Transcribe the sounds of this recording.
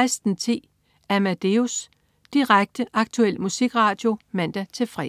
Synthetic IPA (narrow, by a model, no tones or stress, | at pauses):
ɪsd̥n̩t͡sʰe̝̰ː | æmæd̥e̝os | d̥iʁaɡ̥̚d̥əʔɑ̈ɡ̥̚t͡sʰuel̰musiɡ̥ʁɑ̈ːd̥jo̝mæn̰d̥æt͡sʰe̝fʁɛ̰